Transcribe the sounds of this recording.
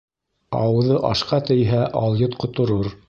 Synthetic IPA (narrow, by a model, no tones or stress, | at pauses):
ɑ̰wɤ̆ðɤʔɑʃqɑt̪ɘ̆jɦæʔɑlˠjɤt̪qŏt̪ŏɾoɾ